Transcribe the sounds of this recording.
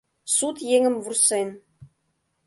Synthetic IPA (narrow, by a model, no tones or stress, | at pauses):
sut̪jeŋɘ̆mvursen